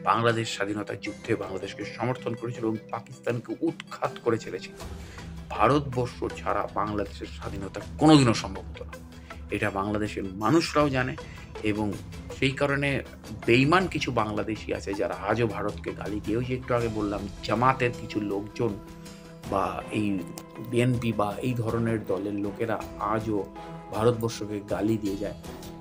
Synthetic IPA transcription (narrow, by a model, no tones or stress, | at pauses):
baŋlad̪eʃːad̪ʱinot̪a̰d͡ʑud̪ʱebaŋlad̪eʃkeʃɔmoɾt̪ʰonkoɾet͡ɕʰiloeboŋpakist̪ankeʔut̪kʰat̪koɾet͡ɕʰelet͡ɕʰilobʱaɾot̪bɔɾʃoɾt͡ɕʰaɾa̰baŋlad̪eʃeɾʃad̪ʱinot̪akonod̪ʱinoʃɔmbʱobit̪ona | eʈabaŋlad̪eʃeɾmanuʃɾaod͡ʑane | eboŋ | ʃejkaɾone | bejmankit͡ɕʰubaŋlad̪eʃḭa̰t͡ɕʰed͡ʑaɾaad͡ʑobʱaɾot̪keɡa̰lid̪ieod͡ʑeek̚ʈuaɡebolːamd͡ʑamat̪eɾkit͡ɕʰulokd͡ʑon | ba̰ejbienpibaejd̪ʱɔɾoneɾd̪ɔleɾlokeɾaad͡ʑo | bʱaɾot̪̚bɔɾʃokeɡalid̪ijed͡ʑae